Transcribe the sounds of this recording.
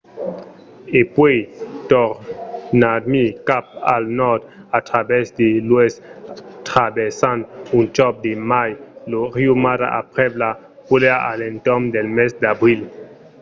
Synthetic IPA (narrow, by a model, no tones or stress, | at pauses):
epwejtɔɾnadmikap̚a̰lnɔd̪atɾabɛsd̪elwestʁabesantunt͡ʃɔp̚d̪emajloʁiumaɾa̰ʔapʁebla | puleaalentɔmd̪elmesd̪abɾil